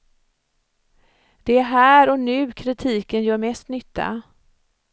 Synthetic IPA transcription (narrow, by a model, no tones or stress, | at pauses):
d̪̥ɛæɾɦæːɾɔnʉ̟ːkʰɾɪt̪ʰiːkənjœːɾmɛst̪nʏt̪ːa̰